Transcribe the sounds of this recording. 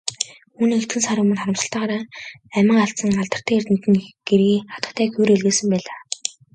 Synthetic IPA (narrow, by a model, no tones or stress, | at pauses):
uːniːŋet̪ɡɘ̆nsaɾʊmɵ̆nχɔɾə̆msə̆ɬt̪aːʁaːɾaːæmə̆ŋaɬt̪sə̆ŋaɮt̪ə̆r̥t̪ʰæːert̪nit̪ɘ̆ŋɡ̥erɣiːχat̪ə̆t̪ʰæːxujɾeɮɣeːsɘ̆mpæːɮaː